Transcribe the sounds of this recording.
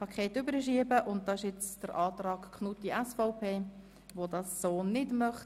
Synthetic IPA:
pʰɑkʰχeːtʏbəɾəʃiəbəʔʊnt̚d̥ɑɪʃɛt͡sd̥əɾʔɑːtrɑːɡkʰnutdiʔɛsfɔʊpʰeː | ʋodɑsːoːnɪdmœχt

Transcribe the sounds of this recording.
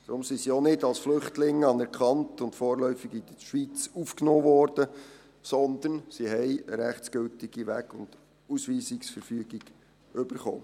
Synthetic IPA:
d̥̪ɾʊmsisionɪdɑlsflʏχtlɪŋɑnɛɾkχɑntʊntfoːɾlœʏfiɡid̪əʃʋit͡sufknoːʋɔːɾd̥ə | sɔnd̪ənsiɦɛɪəɾæχt͡sɡ̥øltiɡ̥iʋæɡ̥ʊnd̥ | usʋiːsiksfəɾfyəɡ̥iɡ̥ | ʏb̥əɾχo̰ː

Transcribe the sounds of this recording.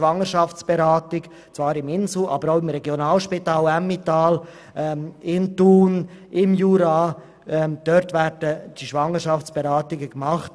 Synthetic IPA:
vɑŋəʃɑft͡sb̥eɾaːtɪɡ | t͡svɑːɾɪmɪnsl̩ʔɑbəɾaʊɪmɾɛɡjonaːlʃpitaːlɛmːitaːl | ɛɪntuːn | ɪmjuːɾa | ɛd̥œɾtvæɾdəd̥iʃʋɑŋəɾʃɑft͡sb̥eɾaːtɪɡəkmɑχt

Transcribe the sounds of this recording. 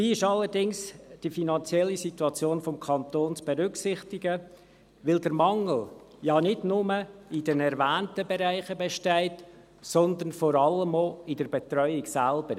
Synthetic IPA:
ʋiːɪʃɑlːəɾdɪŋsd̥ifinɑnt͡sjɛlːisituɑt͡sjoːnfɔmkʰɑnt̪oːnt͡sb̥ɛɾʏksɪχtɪɡə | ʋɪldəɾmɑŋl̩ | jɑnɪdnʊməɪdɛnɛɾvæːntəbeɾæɪχəbɛʃtæɪt | sɔnd̪ənfɔɾɑləmoɪdəɾbɛt̪ɾœʏɪksælb̥əɾ

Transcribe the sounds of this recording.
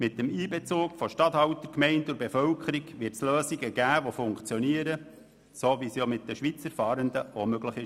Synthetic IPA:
mɪt̚ːəmiːbɛt͡suːkfɔʃtɑt̪hɑwtəkmɛɪntʊɾbefœwkʰəɾiɡʋɪɾtsløːsiɡəɡæːʋofʊŋkt͡sjɔniəɾə | soʋisjomɪt̚d̥əʃʋit͡səɾfɑːɾənd̪əomøɡləχɪʃ

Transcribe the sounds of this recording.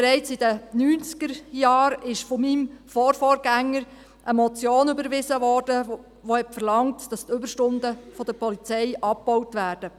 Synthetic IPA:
eɾɛɪt͡sid̥ənyːnt͡skəɾjɑːɾɪʃfɔmimfɔːɾfɔːɾɡ̥æŋːəɾ | ʔəmɔt͡sjoːnʏbəɾʋɪzəʋɔːrd̥ə | ʋohɛtfəɾlɑŋtd̥ɑstʏbəɾʃtʊndəfɔd̥̪əpɔlit͡sɛɪjʔɑp̚pɔwtʋæːɾd̥ə

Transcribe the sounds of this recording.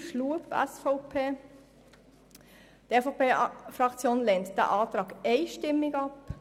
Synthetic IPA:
ʃlupɛ̰sfoʊpʰeː | d̪̥efopeːfɾɑkt͡sjoːnleːnt̪d̥̪ɛ̰ːʔɑːt̪ɾɑːɡeɪʃtɪmːɪɡɑp

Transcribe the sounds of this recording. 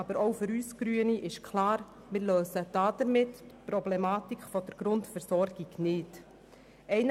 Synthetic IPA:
ɑbəɾɔʊfʏɾyːsɡɾyəniʔɪʃkʰlɑːɾ | mɪːɾløːsəd̥ɑːd̥̪əɾmɪttpɾɔblɛmɑːtikʰfɔd̥əɾɡ̥ɾʊntfəɾsɔɾɡ̥iɡnɪt | ɛɪn

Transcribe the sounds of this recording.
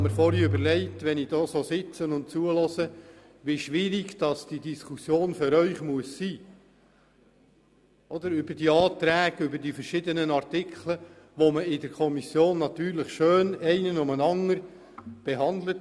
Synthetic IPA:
məɾfɔɾiʏbəɾlɛɪtʋɛnɪd̥ɔːsoːsɪt͡sənʊnt̚t͡suəlɔzə | ʋiʃʋɪɾiɡd̥ɑsd̥idiskʰusjoːnfʏɾœʏχmuəsːiː | ʔɔd̪əɾʏbəɾd̥iɑːt̪ɾæːɡ̥ʏbədifəɾʃɪdənənɑrtɪkʰlə | ʋoməɪdəɾkʰɔmisjoːnːɑt̪yːɾlɪχʃøːnɛɪnənʊmənɑŋəɾ | b̥ɛɦɑnd̪lət

